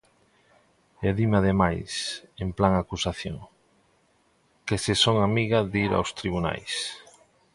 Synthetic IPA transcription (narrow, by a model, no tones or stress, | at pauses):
eðimaðemajsemplaŋakusaθjo̰ŋ | kesesoŋamiɣaðiɾa̰wst̪ɾiβ̞una̰js